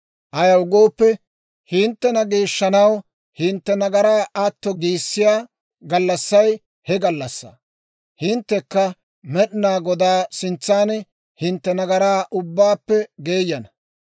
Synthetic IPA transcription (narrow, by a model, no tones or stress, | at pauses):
ʔɐjɐwʊɡo̞ːpːɛ | hɪnt̪ːɛnɐɡeːʃːɐnɐw | hɪnt̪ːɛnɐɡɐɾaːʔɐt̪ːɔɡiːsːɪjaː | ɡɐlːɐsːɐj | hɛɡɐlːɐsːɐ̰ | hɪnt̪ːɛkːɐ | mɛɗɪnaːɡɔd̪aːsɪnt͡sːaːn | hɪnt̪ːɛnɐɡɐɾaːʔʊbːaːpːɛɡeːjːɐnɐ